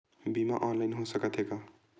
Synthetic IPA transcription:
bima̰ʔɔnlajnɦosəkət̪ʰekʌ

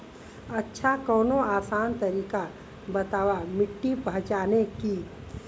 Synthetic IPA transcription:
ətːʃʰakɔːnoaːsaːnt̪əɾiːka | bət̪aːwamɪʈːipɐɦt͡ʃaːneki

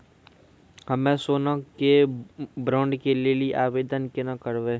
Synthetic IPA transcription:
hɐmẽsoːnakebɾɔ̃ːɳɖkeleliʔaːʋeːd̪ənkenakəɾʋeː

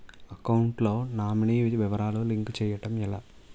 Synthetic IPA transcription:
ɐkɐwɳʈloːnaːminiʋiʋɐɾaːluliŋkt͡ʃɛːjɐʈɐmilaː

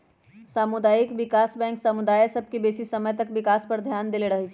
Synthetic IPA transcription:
samud̪ajikʋikasbɛ̃ŋksamud̪ajsəb̚ʱkebesisəməjt̪əkbikaspəɾd̪ʱjand̪eleɾəɦɛt͡ʃʰ

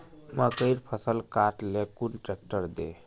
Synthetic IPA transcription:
məkəɪɾpʰəsəlkaɾʈlekunʈɾek̚ʈəɾd̪ḛ

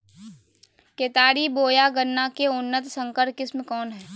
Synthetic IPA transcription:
keːt̪aːɾiboːjaɡənːakeʊnːət̪sə̃ŋkəɾ̚kɪsmẽkɔːnɦɛː

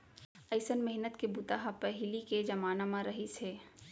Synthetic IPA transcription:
ɐɪsənmɛɦnət̪kebut̪aɦapɛɦɪliked͡ʒɐmaːnamãɾɐɦiseː

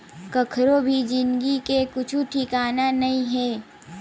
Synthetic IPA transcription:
kɐkʰɾobʱid͡ʒɪnɡikekʊt͡ʃʰũʈʰikaːnanɐɦĩɦɛː

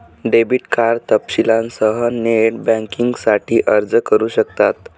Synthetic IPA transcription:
ɖebiʈkaɾt̪əpɕilãnsəɦəneʈbɛ̃ŋkiŋɡsaʈʰiːʔəɾd͡zkəɾuːɕəkt̪at̪

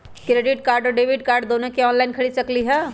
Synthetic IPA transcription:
kɾeːɖɪʈ̚kaːɾɖɔɖeːʋɪɖkaːɾɖd̪oːnõkeɔːnlaɪnkʰɐɽisɐkliɦɛː

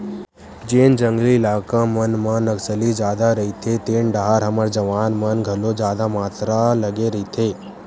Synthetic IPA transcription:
d͡ʒeːnd͡ʒəŋɡliːlaːkãmənmənəksəlid͡ʒjaːd̪aɾəɦit̪ʰet̪eːɳɖəɦaɾɦəməɾd͡ʒəʋaːnmənɡʱəlod͡ʒjaːd̪amaːt̪ɾaləɡeɾəɦit̪ʰe

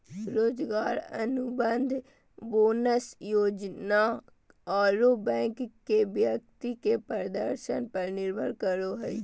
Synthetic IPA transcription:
ɾoːd͡ʒɡaːɾə̰nʊbənd̪ʱ | boːnəsjoːd͡ʒna | aːɾobɛ̃ːŋkː | ebjək̚t̪ikepəɾd̪əɾʃənpəɾnɪɾbʱəlkəɾoɦɛi

